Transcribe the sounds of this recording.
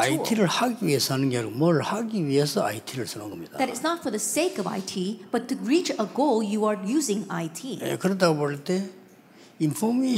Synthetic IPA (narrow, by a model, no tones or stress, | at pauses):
ajtʰiɾɯɭhaɡiwiesʰʌɦanɯnɡeaɡomʌɾɯɭhaɡiwiesʰʌa̰jtʰiɾɯɭsʰʌnoŋɡʌmɲid̥̪a̰ðɨɾɨznətfə˞ðəseɪkʌva̰ɪtʰib̥ʌtʰːɨɹit͡ʃəɡoʊlˠjuaɹjuzɪ̃ŋa̰jtʰiḛkɯɾʌd̪aɡoboɭt̪e̞ | infʰome